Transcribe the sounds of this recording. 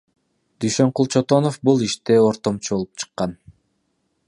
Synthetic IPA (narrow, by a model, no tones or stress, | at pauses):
d̪yjʃøɴqulˠt͡ʃʰot̪o̞nofbulˠiʃt̪eoɾt̪o̞mt͡ʃʰubo̞lˠupt͡ʃʰɯ̥qːɑn